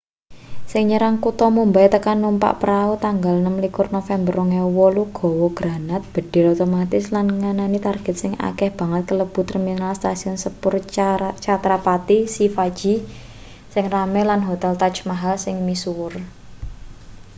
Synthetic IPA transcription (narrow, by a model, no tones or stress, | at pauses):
sɪŋɲəɾaŋkut̪ɔmumbajt̪əkanːumpa̰ʔpəɾaut̪aŋɡalnəmlikʊrnofɛmbərɔŋewɔluɡ̥ɔ̤wɔɡ̥ɾa̤nat̪̚b̥ə̤ɖ̥ɛ̤ɾot̪omat̪ɪslanŋananit̪arɡ̥ɛ̤t̪̚sɪŋa̰kɛhb̥a̤ŋət̪̚kələb̥ṳt̪riminalst̪asiɔnsəpʊrt͡ʃat̪ɾapat̪isifad̥d͡ʒ̥i̤ | sɪŋramɛlanɦot̪ɛlt̪at͡ʃmaɦalsɪŋmisuwʊr